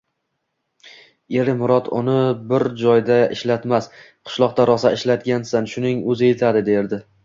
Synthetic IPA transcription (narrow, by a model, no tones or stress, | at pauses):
e̞ɾɪmʊɾɒt̪ʰʊnɪbɪɾd͡ʒɒjd̪aɪʃlat̪mas | qʰɨ̥ʃlˠɒq̚t̪aɾʔɒsaɪʃlat̪ɡʲansanʃʊnɪŋɵzɪjet̪ʰad̪ɪd̪e̞ɾd̪ɪ